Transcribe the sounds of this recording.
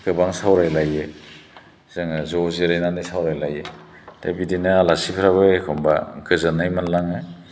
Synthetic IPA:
ɡ̥ɯbaŋsawɾajlajɯ | z̥ɯŋzɔziɾajnanɯsawɾajlajɯ | tabidinɯalasipʰɾaβɯekʰɔmba̰ɡɯzanajmanlaŋɯ

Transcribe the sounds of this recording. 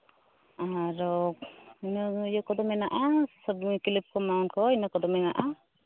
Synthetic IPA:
aɾɔk̚inɔjɔkɔd̪ɔmɛnaʔassɔbŋikilip̚kɔmaunkɔinɔkɔd̪ɔmɛŋaʔa

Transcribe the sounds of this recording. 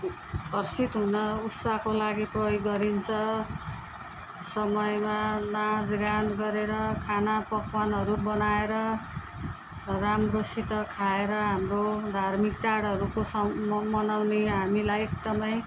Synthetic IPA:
bʱʌrsit̪ɦunʌutsakolaɡiprʌjoɡːʌɾint͡sʰʌ | sʌmʌjmanad͡zɡanɡʌɾeɾʌkʰanapʌkwanɦʌɾubʌnaeɾʌ | ramrosit̪ʌkʰaeɾʌɦamrod̪ʱarmikt͡saɽʌɾukosʌmʌnawneɦamilajek̚d̪ʌmaj̃

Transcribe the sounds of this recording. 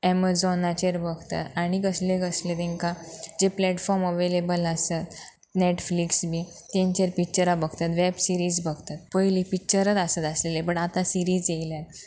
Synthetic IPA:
ɛməd͡zɔnat͡ɕeɾbəɡʱt̪a̰t̪aɽ̃ikəsleɡəslet̪ẽŋkad͡ʑeplɛʈfɔɾməʋelebələsət̪ | neʈfliksbi | t̪ẽɲt͡ɕeɾpik̚t͡ɕəɾabəɡʱt̪at̪ʋɛbsiɾiːd͡zbəɡʱt̪at̪̚pəjlipik̚t͡ɕəɾət̪asət̪aslelebəʈat̪ãsiɾiːd͡zejla

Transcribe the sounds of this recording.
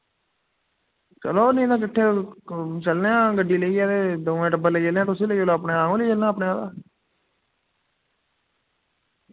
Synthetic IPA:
t͡ʃə̰loːnĩːd̪ãːk̬ɪʈʰːeː | t͡ʃəlneãːɡəɖːiːləiːaːt̪eːd̪oːʋẽːʈəbələiːt͡ʃəlẽãːt̪ʊsiːləiːoːlaːpneaːõːleːt͡ʃəlnãːpnẽːaːda̰ː

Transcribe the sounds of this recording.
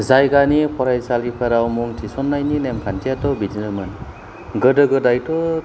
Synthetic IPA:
zajɡanipʰɔɾajsalipʰaɾawmuŋtʰisɔnːajnilemkʰantʰijatɔbidinɯmɯn | ɡɯdɯɡɯdajtɔ

